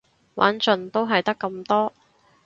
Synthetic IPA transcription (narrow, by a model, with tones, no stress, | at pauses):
wa̰ː˨˥nt͡ʃɵ˨nt̪o˥wɦɐ˨jt̪ɐ˥kːɐ˧mt̪ɔː˥